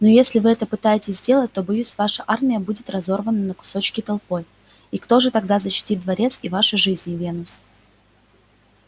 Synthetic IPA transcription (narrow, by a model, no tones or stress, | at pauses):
nojesʲlʲɪvɨɛt̪əpɨt̪ajɪtʲɪszʲzʲdʲelˠət̚ʲt̪o̞bʊjusʲvaʂəʔarmʲɪjəbudʲɪt̪rɐzo̞rvənənəkʊ̥so̞t͡ɕkʲɪt̪ɐlˠpo̞j | ikt̪o̞ʐɨt̪ɐɡ̚d̪azəɕːɪ̥tʲit̪̚d̪vɐɾʲe̞t̪sivaʂɨʐɨzʲnʲɪvʲe̞nʊs